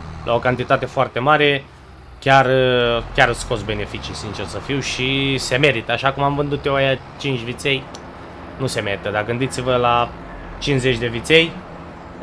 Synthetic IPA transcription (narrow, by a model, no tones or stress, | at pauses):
lʔa̰o̞kant̪it̪at̪e̞foart̪e̞maɾe̞ | kʲarkʲaɾɨsko̞sbe̞ne̞fit͡ʃisint͡ʃersəfiwʃise̞me̞ɾit̪əaʃakumamvɨnd̪ut̪jewaja | t͡ʃint͡ʃʲvit̪se̞j | nuse̞me̞ɾit̪əd̪aɡɨnd̪it̪sivəla | t͡ʃinsze̞t͡ʃʲd̪e̞vit̪se̞j